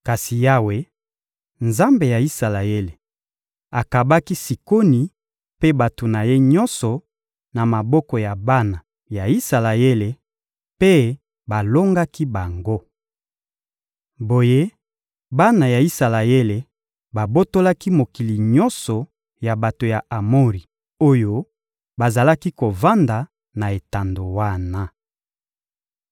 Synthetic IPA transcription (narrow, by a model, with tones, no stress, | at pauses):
ka˨si˨ja˦we˦ | nza˦mbe˨ja˨i˦sa˨la˨e˦le˨ | a˨ka˨ba˦ki˦si˨ko˦ni˨ | pe˦ba˨to˨na˨je˦ɲɔ˦nsɔ˨ | na˨ma˨bɔ˦kɔ˨ja˨ba˦na˨ | ja˨i˦sa˨la˨e˦le˨ | pe˦ | ba˨lo˦ŋɡa˦ki˦ba˨ŋɡo˦ | bo˨je˦ | ba˦na˨ja˨i˦sa˨la˨e˦le˨ | ba˨bo˦to˦la˦ki˦mo˨ki˨li˨ɲɔ˦nsɔ˨ | ja˨ba˨to˨ja˨a˨mo˦ʁi˨ | o˦jo˦ | ba˨za˨la˦ki˦ko˨va˦nda˨ | na˨e˨ta˨ndo˨wa˦na˦